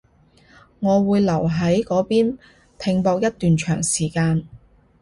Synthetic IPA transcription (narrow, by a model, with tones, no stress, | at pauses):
ŋɔː˨˧wuː˨˧jlɐ˨˩wɦɐ˨˥jkɔː˨˥piː˥n | pʰɪ˧ŋpɔː˧k̚jɐ˥t̚t̪yː˨nt͡ʃʰœː˨˩ŋsiː˨˩kaː˧n